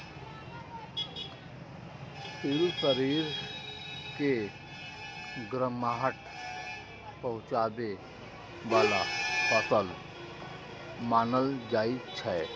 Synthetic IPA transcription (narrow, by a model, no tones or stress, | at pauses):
siːlsəɾiːɾ | ke | ɡɾəmaːɦəʈ | pəɦʊ̃t͡ʃaːd̪e | ʋaːlapəsəl | maːnəld͡ʒaːit͡ʃʰɛ